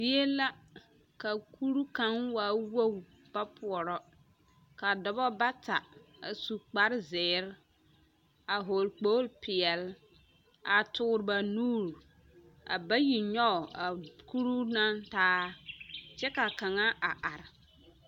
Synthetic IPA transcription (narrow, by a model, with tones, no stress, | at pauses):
di˦e˦la˦ | ka˨kʰu˦ɾu˦ka˦ŋwaː˨˦wo˦˨ | b̥a˦pʰu˨ɔ˨ɾɔ˦ | ka˨dɔ˨bɔ˦ba˦ta˨a˨su˨k͡pa˨˦ɾzɪː˨˦ɾ | a˨ɦo˨lk͡poː˦lpɪ˨ɛ˨l | a˨tʊː˨˦ɾba˨nuː˦˨ɾ | a̰˨ba˦ji˨ɲɔ˦˨a˨ku˦ɾu˦na˦ntaː˦ | t͡ʃɛ˦ka˨ka˨ŋa˦ʔa˨ʔa˨ɾɪ˨